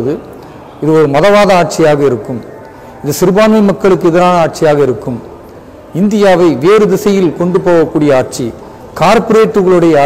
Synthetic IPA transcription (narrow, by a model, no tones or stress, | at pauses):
ðɯ | ɪðɯɔɾɯmɐðɐʋaːðɐaːʈ̚t͡ʃɪjaːɣɐɪɾɯkːɯm | ɪnðɐsɪɾɯbaːnmɪmɐkːɐɭɯk̬ːɯɛðɪɾaːnɐaːʈ̚t͡ʃɪjaːɣɐɪɾɯkːɯm | ɪnd̪ɪjaːʋɐɪʋeːɾɯd̪ɪsɐjɪlkɔɳɖɯpoːɣɐkːuːɽɪjɐaːʈ̚t͡ʃi | kaːɾpɔɾeːʈːɯɣɐɭɯɽɐjɐ